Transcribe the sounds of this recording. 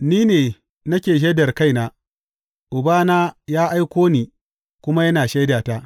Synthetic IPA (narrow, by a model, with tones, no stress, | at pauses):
niː˦neː˨ | nɐ˦kʲeː˨ʃ̬ɐ˦dɐ˨rka˦˨jnaː˦ | ʔʊ˨baː˦naː˦jaː˦ʔa˦jkʷoː˦niː˨ | kʷʊ˦ma˦jɐ˦naː˨ʃa˦jdaː˨ta˦ʔ